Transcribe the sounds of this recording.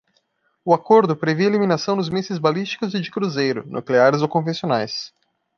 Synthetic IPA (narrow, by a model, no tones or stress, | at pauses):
ʊakoɾd̪ʊpɾeveeliminasɐ̃w̃nʊzmezɪzbalist͡ʃi̥kʊzɪd͡ʒɪkɾuzejɾʊ̰nʔṵkleaɾɪzokõfẽsionajs